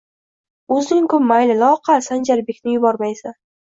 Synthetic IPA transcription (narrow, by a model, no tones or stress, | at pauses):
ɵzd̪ɪŋkʊmːajlɪlɒqʰasand͡ʒaɾbekʲnɪjʊbɒɾmajsan